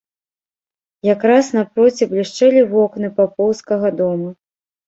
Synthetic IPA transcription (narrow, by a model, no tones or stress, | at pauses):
jakɾasnapɾɔt͡sʲɛblʲiʂt͡ʂɛlʲivɔknɨpapɔwskɐɣɐd̪ɔmu